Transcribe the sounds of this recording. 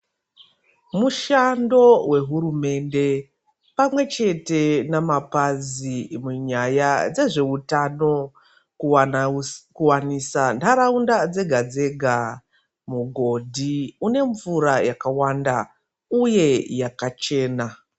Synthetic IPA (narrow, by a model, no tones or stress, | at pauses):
muʃando̞we̞ɦurume̞nde̞ | pamwe̞t͡ʃe̞te̞namapazimuɲajad͡ze̞ʐe̞utano̞ | kuwanisandaɾaundad͡ze̞ɡʱad͡ze̞ɡʱa | muɡʱo̞dʱiune̞ɱvuɾajakawanda̰ | uje̞jakat͡ʃe̞ːna